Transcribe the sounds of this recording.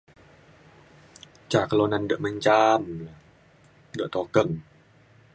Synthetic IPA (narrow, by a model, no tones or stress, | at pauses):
t͡ɕaːkːalonːandɯəmant͡ɕaːma | dɯəʔt̪ɔːkɤŋ